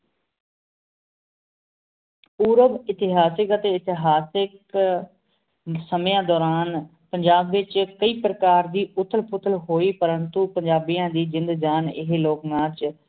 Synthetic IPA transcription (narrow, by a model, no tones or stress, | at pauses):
uːɾəbɪt̪ɪɦaːsɪkət̪eːɪt̪ɪɦaːsɪk | səmjãːd̪ɔːɾaːn | pəɲd͡ʒaːbʋɪt͡ʃkəiːpɾəkaːɾd̪iːʔʊt̪ʰːəlpʰʊt̪ʰəlɦoːiːpəɾənt̪upəɲd͡ʒaːbijãːd̪iːd͡ʒɪ̃nd̪d͡ʒaːnɪɦeːloːknãːt͡ʃ